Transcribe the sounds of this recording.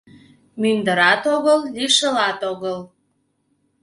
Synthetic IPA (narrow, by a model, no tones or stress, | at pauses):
mynd̪əɾɑt̪oɣəlːiʃəlɑt̪oɣəl